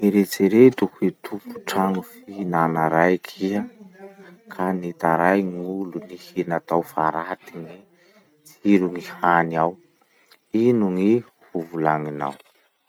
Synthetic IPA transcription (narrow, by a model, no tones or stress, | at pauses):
eɾet͡seɾet̪ukuit̪ʰupu̥ʈ͡ʂaŋufiinanaɾajkʰiə | kʰanet̪aɾajŋiulunihinat̪awfaɾat̪iŋi | t͡siɾuŋihaniaw | inuŋi | huvulaŋina̰w